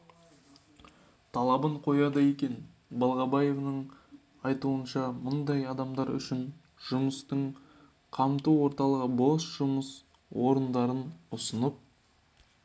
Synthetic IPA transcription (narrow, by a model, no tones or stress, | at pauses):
t̪ʰɑlˠɑbəɴqʰo̞jɑd̪ɑje̞kʲe̞n | bɑlˠʁɑbɑje̞vnəɴ | ɑjt̪uənʃɑmʊnd̪ɑjɑd̪ɑmd̪ɑɾʏ̰ʃɪn | ʒ̥ʊməst̪əɴ | qʰɑmt̪uwo̞ɾt̪ɑlˠəʁəbo̞lˠsʒ̥ʊməs | wo̞ɾənd̪ɑɾənʊsənəp̚